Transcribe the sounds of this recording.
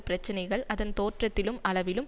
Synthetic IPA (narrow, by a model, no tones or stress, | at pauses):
pɪɾɐt͡ʃːɐnɐɪɣɐɭʔɐðɐnt̪oːʈrɐt̪ːɪlɯmʔɐɭɐʋɪlɯm